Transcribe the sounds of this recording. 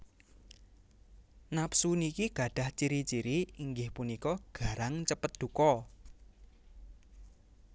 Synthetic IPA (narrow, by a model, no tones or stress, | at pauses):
napsunikiɡ̥a̤ɖ̥a̤ht͡ʃiɾit͡ʃiɾiiŋɡɪhpunikɔɡ̥a̤ɾaŋt͡ʃəpət̪̚d̪̥ṳkɔ